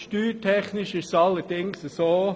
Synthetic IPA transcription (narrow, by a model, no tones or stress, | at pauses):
ʃtyːtʰɛχnɪʃɪʃsɑlːəd̥ɪŋsəsoː